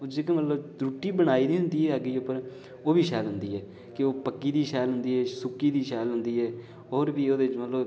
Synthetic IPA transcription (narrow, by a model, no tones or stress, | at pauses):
od͡ʒekmət̪ləb̪ɾuːʈiːbəɽ̃aːiːnĩːɦʊnd̪iːɛːaːɡiːʊpːəɾ | oːbiːʃɛːlɦʊnd̪iːɛː | kɪoːpəkːiːd̪iːʃɛːlɦʊnd̪iːɦɛːsʊkːiːd̪iːʃɛːlɦʊnd̪iːɛː | oːɾbiːoːd̪eːɪt͡ʃmət̪ləb